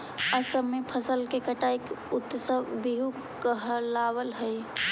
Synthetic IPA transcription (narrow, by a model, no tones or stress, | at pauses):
əsəbmepʰəsəlkekəʈajkut̪ːsəbiɦuk | kəɦəlawəlɦəj